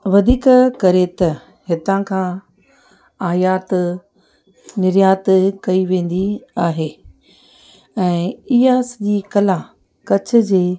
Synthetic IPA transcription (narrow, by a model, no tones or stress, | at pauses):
ʋɐd̪ʱiːkkɐɾet̪ɐ | hɪt̪ãkʰãː | aːjaːt̪ | nɪɾjaːt̪kɐiʋẽːn̆d̪iaːɦeː | ɛ̃ːɪɦasɐʄikɐlãː | kɐt͡ɕʰʊ̆d͡ʑeː